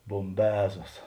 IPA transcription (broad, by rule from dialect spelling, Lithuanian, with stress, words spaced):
boːmʲˈbʲæːzoːs